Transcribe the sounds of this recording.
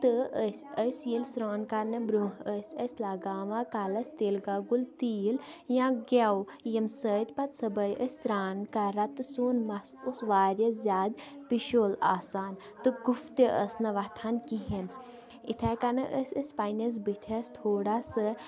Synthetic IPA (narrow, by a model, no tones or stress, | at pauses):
t̪ɨəsʲəsjilsɾaːnkanɐbɾoːɦəsʲəsʲlaːɡaːʋãːkaːlɐsʲt̪eːlɡaɡult̪iːljãːɡawjɐmsəːt̪ʲpɐt̪sɐbɐjʔəsʲɾaːnkaɾɐt̪suːnmɐsusʋaːɾjɐzʲaːd̪piʃoːlaːsaːn | t̪ɨɡuft̪eʔəsnɐʋat̪ʰaːnkiɦin | it̪ʰaːkanɨʔəsʲəsʲpaːjnɐs̬bit̪ʲʰɐst̪ʰoːɽasɐ